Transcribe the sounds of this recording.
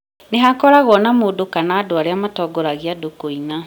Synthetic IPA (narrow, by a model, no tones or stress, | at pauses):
neɦakɔɾaɣwɔnamoːdokanaːdoaɾeamatɔːɡɔɾaɣeadokoina